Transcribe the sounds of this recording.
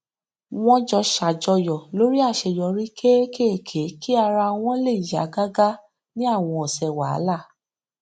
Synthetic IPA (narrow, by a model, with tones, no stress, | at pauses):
w̃ɔ̃˦d͡ʒɔ˧ʃa˨d͡ʒɔ˧jɔ˨lo˨˦ɾi˦a˦˨ʃɛ˧˨jɔ˧ɾi˦kʰe˦ke˦e˦˨kʰe˨˦ki˦a˧ɾa˧w̃ɔ̃˦le˦˨ja˨˦ɡa˦ɡa˦ | nĩ˦a˦˨w̃ɔ̃˧ɔ˨sɛ˨wa˨a̰˦la˦˨